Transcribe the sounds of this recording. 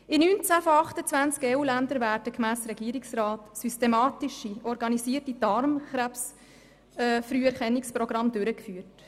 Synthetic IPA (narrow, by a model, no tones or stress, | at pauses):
inynt͡sæːfɔɑχtət͡svænt͡skɛːuːlænd̪əɾvæːɾdəkmæːsɾɛɡiːɾɪksrɑːtsystɛmɑːtɪʃiɔɾɡɑnisiːrtid̥ɑɾmχɾæps | fɾyːɛɾχɛnːɪksprɔɡɾɑmd̪øɾəkfyːət